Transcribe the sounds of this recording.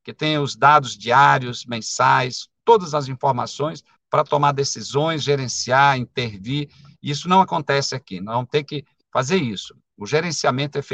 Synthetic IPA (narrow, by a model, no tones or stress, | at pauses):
kɪt̪ẽj̃ʊzd̪ad̪ʊzd͡ʒiaɾiʊsmẽsaʒẽst̪od̪ɐzɐzĩfoɾma̰sõj̃s | pɾɐt̪omaɾd̪esizõj̃sʒeɾẽsiaɾĩnt̪eɾvi | ɪisʊnɐ̃w̃akõnt̪ɛsɪakinɐ̃zvɐ̃mʊt̪eɾkɪ | fazeɾisʊ̥ | ʊʒeɾẽsiamẽnt̪ʊɛf